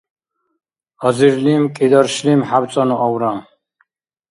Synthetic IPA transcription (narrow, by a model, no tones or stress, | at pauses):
ɔziɾlimkʼid̪ɔɾʃlimħabt͡s̪ʼɔnuʔɔwɾam